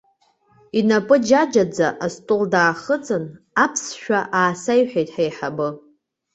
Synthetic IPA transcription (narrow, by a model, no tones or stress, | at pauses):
inapʼɨd͡ʒad͡ʒad͡zaʔastʼʊldaːχət͡sʼɨn | apʰsʃᶣaʔaːsajħᶣajtʼħajħabɨ